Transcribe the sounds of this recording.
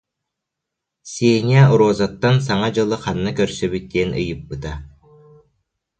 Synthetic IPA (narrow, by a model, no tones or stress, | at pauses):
sʲeːnʲiauɾoːzat̪ːans̬aŋad͡ʑɯlˠɯqanːakœɾsœbyt̪̚ːiɛnɯ̰jɯpːɯt̪a